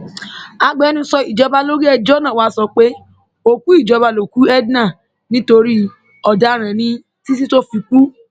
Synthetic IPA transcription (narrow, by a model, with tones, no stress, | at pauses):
a˧ɡ͡bɛ˦nũ˧sɔ˧i˨d͡ʒɔ˧ba˧lo˦ɾi˦ɛ˦˨d͡ʒɔ˦nã˦˨wa˦sɔ˧k͡pe˦ | o˦˨ku˨˦i˦˨d͡ʒɔ˧ba˧lo˨ku˦ɛ˦dnã˦˨ | nĩ˦to˧ɾi˦ | ɔ˨da˨˦ɾ̃ã˨nĩ˧ | ti˦si˦to˦fi˧k͡pu˦